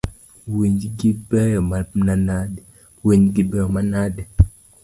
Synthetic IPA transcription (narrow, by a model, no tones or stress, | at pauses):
wiɲd͡ʒiɡibɛjɔmananadɛ | weɲd͡ʒiɡibɛjɔmanadɛ